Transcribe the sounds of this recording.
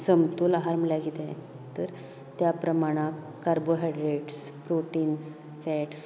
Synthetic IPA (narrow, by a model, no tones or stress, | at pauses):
səmt̪uːlaɦaɾm̤əljaɡit̪ẽ | t̪əɾ | t̪japɾəmaɽ̃ak | kːaɾboɦaɖɾeʈs | pɾoʈins | fɛʈs